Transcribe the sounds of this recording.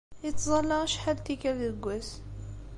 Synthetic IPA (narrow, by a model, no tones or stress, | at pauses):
it̪zˤɑlːɑʁʃħalt̪ikæləɡʷæs